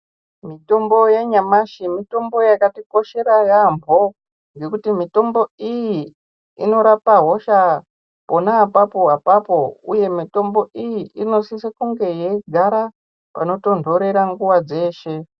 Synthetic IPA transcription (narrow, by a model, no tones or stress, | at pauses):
mito̞mbo̞jeɲamaʃimito̞mbo̞jakatiko̞ʃe̞ɾajambʱo̞ | ŋɡe̞kutimito̞mbo̞ijiː | no̞ɾapaɦo̞ʃa | po̞naːpapo̞ɦapapo̞ṵje̞mito̞mbo̞ijiino̞sisekuŋɡe̞je̞ɡʱaɾa | pa̰no̞to̞ndʱo̞ɾe̞ɾaŋɡuwad͡ze̞ːʃe̞